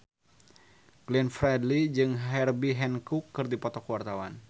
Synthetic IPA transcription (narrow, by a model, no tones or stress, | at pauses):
ɡlɛnfɾɛdlid͡ʒɨŋɦɛrbiɦɛnkukːɨrdipɔt̪ɔkuwart̪awan